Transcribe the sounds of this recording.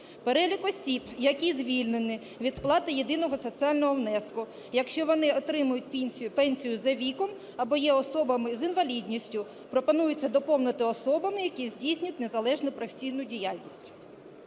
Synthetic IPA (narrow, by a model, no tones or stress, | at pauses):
peɾɛlʲikɔsʲibjɐkʲizʲʋʲilʲnenɪ | ʋʲid̪splˠɑt̪ɪjed̪ɪnɔɦɔsɔt͡sʲiɑlʲnɔɦɔwnɛskʊ | jɐkʃt͡ʃɔʋɔnɪɔt̪ɾɪmʊjʊt̚ʲpɛnʲsʲijʊzɐʋʲikɔm | ɐbɔjɛɔsɔbɐmɪzinʋɐlʲidʲnʲisʲtʲʊ | pɾɔpɔnujʊt͡sʲːɐd̪ɔpɔwnɐt̪ɪɔsɔbɐmɪjɐkʲizʲdʲijsʲnʲʊt̚ʲne̞zɐlˠɛʒnʊpɾɔfe̥sʲijn̪ʊdʲijɑlʲnʲisʲtʲ